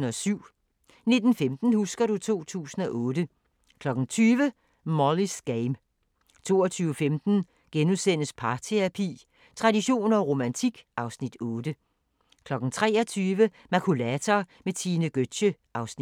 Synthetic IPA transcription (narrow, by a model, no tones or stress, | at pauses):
n̩ɒ̽syʊ̰ | ne̝d̥n̩femd̥n̩husɡ̥ɐɾ̥ut͡sʰo̝̰ːt͡sʰṵːsn̩ɒ̽ʔɔ̽ːd̥ə | kʰlɒ̽ɡ̥n̩t͡sʰyːʋə | mɒlisɡ̥eɪm | t͡sʰo̝̰ːɒt͡sʰyːʊəfemd̥n̩ | ɡ̥enusen̰əspʰɑ̈t͡sʰeæpʰḭ | t͡sʰʁɑ̈diɕo̝̰ːnɒ̽ʁo̝mænt͡sʰiɡ̥ɑ̈ʊsnid̥ɔːd̥ə | kʰlɒ̽ɡ̥n̩t͡sʰʁɛ̰ːɒt͡sʰyːʋə | mækʰulæt͡sʰɐmet͡sʰiːnəɡ̥ød̥ɕəʔɑ̈ʊsni